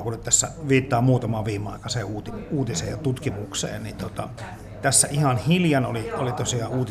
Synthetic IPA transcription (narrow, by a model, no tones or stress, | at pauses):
kunyt̪t̪æsːæ̰ʋiːt̪ːɑːmuːt̪ɑmɑːʋʋiːmeɑikɑseːuːt̪iuːt̪isḛːjjɑt̪ut̪kimuksḛːnnint̪ot̪ɑ̰ | t̪æsːæʔihɑnhiljɑnoliolit̪osiɑuːt̪i